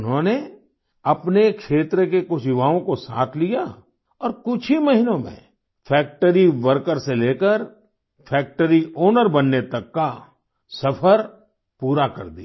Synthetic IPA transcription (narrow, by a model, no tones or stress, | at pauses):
ʊnɦõne | ɐpnekʃeːt̪ɾəkekʊʃɪʋaːõkosa̰ːk̪ʰlija | ɔːɾkʊt͡ʃʰimɐɦinõmḛ̃ | fʰɛːk̚ʈəɾiʋəɾkəɾseleːkəɾ | pʰɛːk̚ʈəɾioːnəɾbɐnːet̪ɐkːa | sɐpʰəɾ | puːɾakɐ̰ɾd̪ḭa